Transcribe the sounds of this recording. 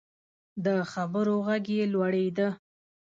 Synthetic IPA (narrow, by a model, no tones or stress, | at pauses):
d̪əxabəɾoɣaɡjelwaɽejd̪ə